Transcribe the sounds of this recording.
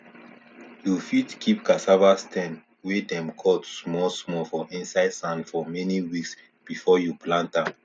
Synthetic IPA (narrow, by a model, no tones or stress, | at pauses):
jufitkʰip̚kasavastʰɛ̃n | wedɛ̃mkʰɔtsmɔlsmɔfɔʔĩnsaɪd̥sãnfɔmɛniwiks | b̥ifɔjupʰlãntãm